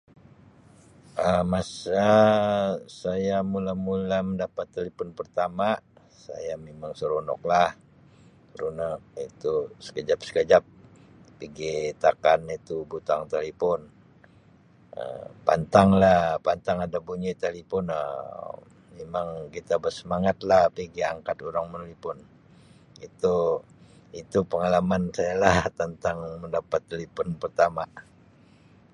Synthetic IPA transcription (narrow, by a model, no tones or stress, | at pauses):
əmasa | sajamulamulaməndapat̪ːelepɔnpərt̪ama | sa̰jamemaŋsəɾonɔ̰k̚lah | ɾunaʔit̪usə̥kəd͡ʒap̚sə̥kəd͡ʒap̚ | piɡit̪akanit̪ubut̪aŋt̪elepɔn | ə̰pa̰nt̪aŋlahpant̪aŋadabuɲit̪alipɔnə̰ | memaŋkit̪abərsəmaŋat̪lahpiɡiaŋkat̪uɾaŋmənolipʊn | it̪u | it̪upəŋalamansajalaht̪ənt̪aŋməndapat̪ːelipɔnpərt̪ama